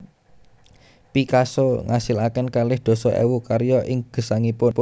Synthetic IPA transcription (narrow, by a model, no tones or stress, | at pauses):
pikasoŋʔasɪlakɪnkalɪhd̪̥o̤sɔʔɛ̰wukaɾjɔʔɪŋɡ̥ə̤saŋipʊpʊ